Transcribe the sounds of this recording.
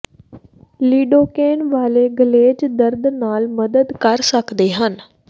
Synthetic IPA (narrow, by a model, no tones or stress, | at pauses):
liːɖoːkeːnʋaːleːɡəleːd͡ʒd̪əɾd̪naːlməd̪əd̪kəɾsəkd̪eːɦən